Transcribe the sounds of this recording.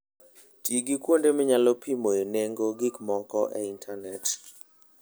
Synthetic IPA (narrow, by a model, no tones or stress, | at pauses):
tiɡikwondemɪɲalɔpʰimojeneŋɡoɡikmɔkɔʔɛintʰanɛt